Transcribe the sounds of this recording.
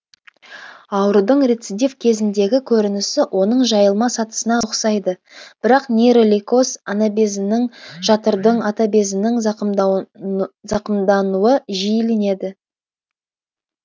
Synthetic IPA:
ɑwɾəd̪əɴrʲet̪sid̪ʲefkʲʰe̞zɪnd̪e̞ɡʲɪkʲʰɵɾɪnɪsɪwʔo̞n̪əɴʒɑjəlˠmɑsɑt̪ə̥sənɑʊqsɑjd̪ə | b̥ɪɾɑqnʲeɾolʲiko̞sanabezɪnɪŋʒ̥ɑt̪əɾd̪əɴɑt̪abe̞zɪnɪŋ | zɑqəmd̪ɑnuəʒijlene̞d̪ɪ

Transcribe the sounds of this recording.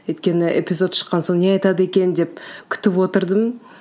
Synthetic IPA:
wɵjt̪kʲe̞nɪʔḛpʲizo̞t̪ʃə̥qːɑnsoɴneɑjt̪ɑd̪əe̞kʲe̞nd̪e̞p̚kʲʰʏ̥t̪ɪpwo̞t̪əɾd̪əm

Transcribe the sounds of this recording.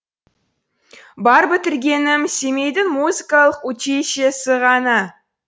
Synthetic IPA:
bɑɾbɪt̪ɪɾɡʲe̞nɪmse̞me̞jd̪ɪŋmuzikɑlˠəqwɵt͡ʃeʃesɪʁɑnɑ

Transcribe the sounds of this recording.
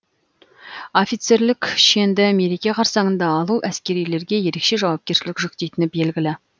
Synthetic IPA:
o̞fijt̪se̞ɾlɪkʲʃe̞nd̪ɪme̞ɾe̞kʲeqʰɑɾsɑɴənd̪ɑːlˠuʔæskʲe̞ɾijle̞ɾɡʲe̞je̞ɾe̞kʃe̞ʒɑwɑp̚kʲe̞ɾʃɪlɪkʒʏk̚t̪e̞jt̪ɪnɪbe̞lɡʲɪlɪ

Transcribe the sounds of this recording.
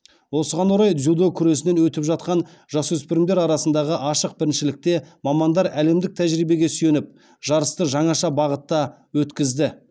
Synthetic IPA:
wo̞səʁɑnwoɾɑjd̪zʲud̪okʲʰʏɾe̞sɪne̞nwɵt̪ɪpʒɑt̪̚qɑn | ʒɑswɵspɪɾɪmd̪e̞ɾɑɾɑsənd̪ɑʁəʔɑʃəq̚bɪɾɪnʃɪlɪk̚t̪e̞mɑmɑnd̪ɑɾæle̞md̪ɪk̚t̪ʰæʒɾijbe̞ɡʲe̞sʏje̞nɪp̚ | ʒ̥ɑɾəst̪əʒɑɴɑʃɑbɑʁət̪ːɑ | wɵt̪kʲɪzd̪ɪ

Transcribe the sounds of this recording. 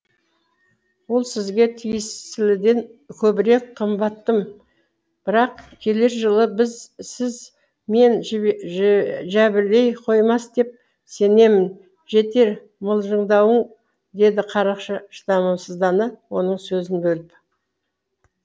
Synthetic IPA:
wo̞lˠsɪzɡʲe̞t̪ʰijɪst̪ɪlɪd̪e̞nkʲʰɵbɪɾe̞k̚qʰəmbɑt̪ːəm | b̥ɪɾɑqkʲʰe̞le̞ɾʒəlˠəbɪzsɪz | me̞n | ʒæbɪɾle̞jqʰo̞jmɑsd̪e̞p̚ | se̞ne̞mɪn | ʒe̞t̪e̞ɾ | məlˠʒəɴd̪ɑwəɴ | d̪e̞d̪ɪqʰɑɾɑqʃəʃə̥d̪ɑmɑmsəzd̪ɑnəwo̞nəɴsɵzɪnbɵlɪp

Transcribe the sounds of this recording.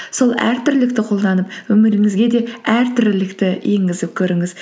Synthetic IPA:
so̞lˠæ̰ɾt̪ʰʏɾɪlɪk̚t̪ɪqʰo̞lˠd̪ɑnəpwɵmɪɾɪŋɪzɡʲe̞d̪e̞æɾt̪ʰʏɾɪlɪkt̪ɪje̞ŋɡʲɪzɪp̚kʲʰɵɾɪŋɪz̥

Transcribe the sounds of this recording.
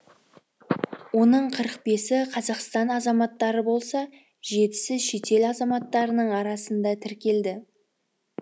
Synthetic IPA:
wo̞nəɴqʰəɾəq̚be̞sɪqʰɑzɑqst̪ɑnɑzɑmɑt̪ːɑɾəbo̞lˠsɑ | ʒe̞t̪ɪ̥sɪzʃe̞t̪e̞lɑzɑmɑt̪ːɑɾənəɴɑɾɑsənd̪ɑt̪ʰɪɾkʲe̞ld̪ɪ

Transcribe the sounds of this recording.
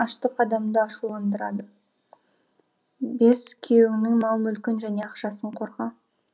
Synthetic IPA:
ɑʃt̪əqʰɑd̪ɑmd̪əɑʃulˠɑnd̪əɾɑd̪ə | be̞skʲʰejeŋnɪŋmɑlˠəmʏlkʲɪnʒæne̞ɑqʃɑsəɴqʰo̞ɾʁɑ

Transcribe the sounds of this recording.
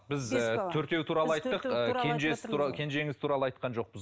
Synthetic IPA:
bɪztt̪ʰɵɾt̪e̞wt̪ʰuɾɑlˠəɑjt̪ːəq̪əkʰend͡ʒeskʲʰe̞nd͡ʒe̞ŋɪz̥t̪ʰuɾɑlˠəɑjt̪qɑnʒo̞q̚bəz

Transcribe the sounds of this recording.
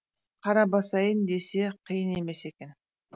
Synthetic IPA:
qʰɑɾɑbɑsɑjənd̪e̞se̞qʰəjəne̞me̞se̞kʲe̞n

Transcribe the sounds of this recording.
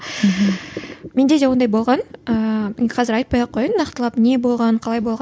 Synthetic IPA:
me̞nd̪e̞d̪ewo̞nd̪ɑjbo̞lˠʁɑnəqʰɑzɪɾɑjt̪pɑjɑqʰːo̞jənnɑqt̪əlˠɑpne̞bo̞lˠʁɑɴqʰɑlˠɑjbo̞lˠʁɑ

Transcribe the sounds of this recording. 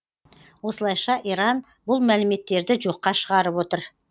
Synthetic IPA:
wo̞səlˠɑjʃɑʔiɾɑn | bʊlˠmælɪme̞t̪ːe̞ɾd̪ɪʒo̞qːɑʃəʁɑɾəpwo̞t̪əɾ

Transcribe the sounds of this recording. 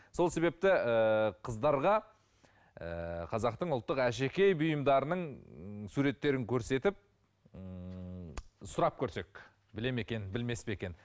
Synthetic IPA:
so̞lˠse̞be̞p̚t̪ɪəqʰəzd̪ɑɾʁɑ | ə̰qʰɑzɑqt̪əɴʊlˠt̪ːəqæʃe̞kʲejbʊjəmd̪ɑɾənəɴsuɾe̞t̪ːe̞ɾɪŋkʲʰɵɾse̞t̪ɪp̚ | sʊɾɑp̚kʲʰɵɾse̞k | bɪle̞me̞kʲe̞nbɪlme̞speekʲe̞n

